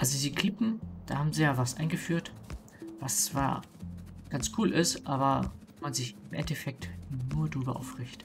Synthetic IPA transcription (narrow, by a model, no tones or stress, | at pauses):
ʔalzoziːkʰl̥ɪpm̩d̥aːhaːbm̩ziːjaːvasʔa̰ɪnɡəfyːɐt | v̥ast͡sv̥a̰ːɐ | ɡ̥ant͡skʰuːlʔɪstʔaːbɐvmanzɪçɪmʔɛ̰ntɛfɛk̚tnuːɐdʁyːbɐʔa̰ʊfʁ̥ɪçt